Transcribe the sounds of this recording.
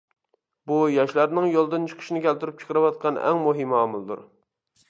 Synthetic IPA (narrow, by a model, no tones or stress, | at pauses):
bujɑʃlæɾnɨŋjolˠd̪ɨnt͡ʃʰə̥qʰə̥ʃinɪkʲɛlt̪ɪɾyp̚t͡ʃʰɨ̥qʰəɾɨwɑt̪̚qʰɑnɛ̰ŋmoɦimɑːmulˠd̪ṵɾ